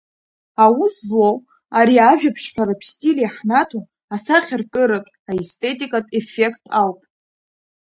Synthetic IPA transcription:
awuslo | aɾiaʒᶣapʰʂħʷᶣaɾapʰstʼilijaħnatʰu | asaχʲɪrkʼɨɾɨtʼ | aestʰʼe̞tʼikʼatʼefe̞kʰtʼʰalpʼ

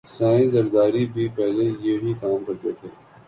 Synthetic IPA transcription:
sãːĩzɐɾd̪aːɾibʱipɛɦlejeːɦikaːmkɐɾt̪et̪ʰeː

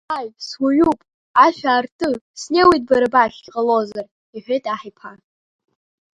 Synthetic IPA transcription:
aɥswaɥupʼ | aʃᶣaːrtʼɨsnewijt̚ʼbaɾabaɬʲɡʲqʼəlo̞zar | iħʷetʼaħijpʰa

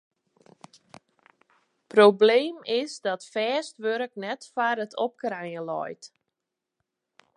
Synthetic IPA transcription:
probleːmɪsdɔtfɛːstʋøɾəknɛtfaɾətʰɔ̰p̚krɛjəlɔ̰jt

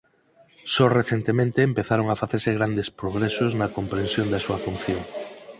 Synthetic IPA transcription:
sɔreθent̪emẽnt̪eːmpeθaɾoŋafaθeɾseɣɾand̪espɾoɣɾesoznɐkompɾensjond̪asuɐfunθjoŋ

